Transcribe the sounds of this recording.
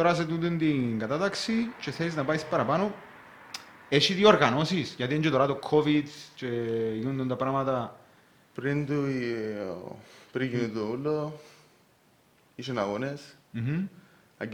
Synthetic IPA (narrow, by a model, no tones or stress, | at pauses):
t̪oɾɐs̬et̪unt̪d̪unt̪iŋɡɐt̪at̪ɐksit͡ʃe̞θeliznɐpaispɐɾɐpano | eʃit̪ioɾɣɐno̞sisʝɐt̪ieɲd͡ʒet̪oɾat̪okʰːovid̪t͡ʃeʝinund̪unt̪ɐpɾɐmɐt̪ɐ | pɾind̪u | pɾikinit̪oulo | iʃonaɣonesm̩ | ɐ̰